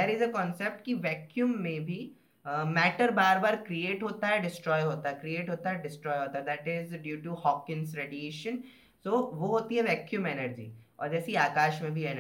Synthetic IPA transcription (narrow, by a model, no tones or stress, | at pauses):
eːɾɪzəkɔ̃ːnsep̚ʈkiʋɛːkjuːmːẽbʱi | mɛːʈəɾbaːɾbaːɾkɾieːʈɦoːt̪aɦɛɖɪsʈɾɔːjɦoːt̪aɦɛkɾieːʈɦoːt̪aɦɛɖɪsʈɾɔːjɦoːt̪aɦɛd̪ɛːʈɪzɖjuːʈuhɔːkɪ̃nsɾeːɖieːʃə̃n | soːʋoɦoːt̪iɦɛʋɛːkjuːmɛnəɾd͡ʒḭːɔ̰ːɾd͡ʒɛːsiaːkaːʃmẽbʱiɛn